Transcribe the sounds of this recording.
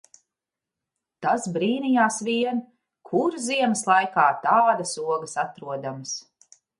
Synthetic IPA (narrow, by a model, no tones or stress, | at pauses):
t̪asbɾiːnijaːsʋiɛn | kʰuɾziɛmɐslˠajkaːt̪aːd̪ɐsuɔɡɐsat̪ɾuɔd̪amɐs